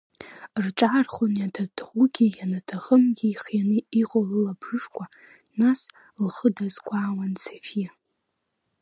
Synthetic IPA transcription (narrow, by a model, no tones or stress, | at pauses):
rʈ͡ʂʼarχʊnjatʰadʰʁʷuɡʲijanatʰaʁəmɡʲiχjanɨiqʼolɨlabʐɨʂkʷa | nas | lχədazkʷʰaːwansʰefija